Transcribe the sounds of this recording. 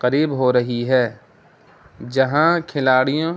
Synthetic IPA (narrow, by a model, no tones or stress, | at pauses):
kɐɾiːbɦoɾɐɦiɦɛː | d͡ʒɐɦãkʰɪlaːɽijõ